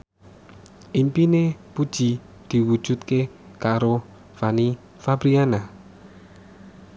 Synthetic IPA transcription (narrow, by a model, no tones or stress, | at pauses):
ʔimpinepud̥ʒ̥i | d̪̥i̤wu̥ʒ̥ṳt̪̚kekaɾo | fani | fabɾiana